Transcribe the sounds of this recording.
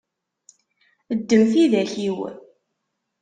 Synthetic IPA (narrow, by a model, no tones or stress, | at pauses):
əd̪ːəmθiðæçiw